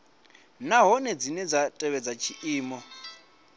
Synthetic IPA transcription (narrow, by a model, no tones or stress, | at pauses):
naɦɔnɛd͡zinɛd͡zatʼɛβɛd͡zat͡ʃʰiʔiːmɔ